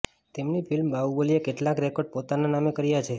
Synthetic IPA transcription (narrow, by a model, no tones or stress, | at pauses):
t̪emnifʰilmbaubolijekeʈlãkɾekoɾɖ̚pot̪ananamekəɾijat͡ʃʰe